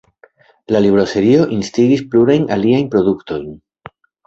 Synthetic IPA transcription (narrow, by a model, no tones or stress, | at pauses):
lalibɾose̞ɾio̞ʔinstiɡispluɾajnaliajnpɾo̞d̪ukto̞jn